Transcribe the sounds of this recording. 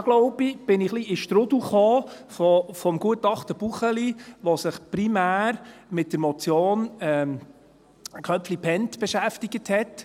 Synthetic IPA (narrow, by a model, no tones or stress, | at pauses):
ɡ̥lɔʊb̥ib̥ɪnɪχliɪʃtɾʊduχoː | fɔfɔmɡ̥uətɑχt̪əb̥uχəliʋɔsɪχpɾimæːɾmɪt̚d̥əɾmɔt͡sjoːnɛm | kʰœpflipʰɛntb̥ɛʃæftiɡəthɛt